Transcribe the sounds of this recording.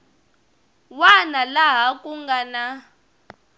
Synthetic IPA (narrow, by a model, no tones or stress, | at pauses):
wanalaɦakʼuŋɡana